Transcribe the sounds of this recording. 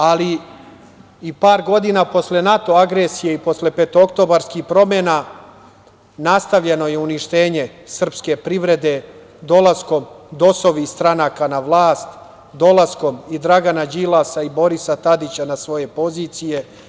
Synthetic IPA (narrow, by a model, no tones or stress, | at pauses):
ali | ipaːɾɡo̞d̪inapo̞sle̞nat̪o̞aɡɾesije̞ipo̞sle̞pet̪ookt̪o̞ːbaɾskixpɾo̞mena | nast̪aʋʎe̞no̞je̞uniʃt̪e̞ːɲe̞ | sr̩pske̞pɾiʋɾe̞d̪e̞ | d̪o̞lˠasko̞md̪o̞so̞ʋist̪ɾanaːkanaʋlˠaːst̪ | d̪o̞lˠasko̞mid̪ɾaɡanad͡ʑilˠasaibo̞ɾisat̪ad̪it͡ɕanasʋo̞je̞po̞ziːt̪sije̞